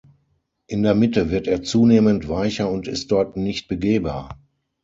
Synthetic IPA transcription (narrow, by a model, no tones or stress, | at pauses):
ʔɪndeːɐmɪtəvɪɐteːɐt͡suːneːməntv̥aɪçɐʊntɪ̰st̚d̥ɔɐtnɪçt̚b̥əɡeːba̰ːɐ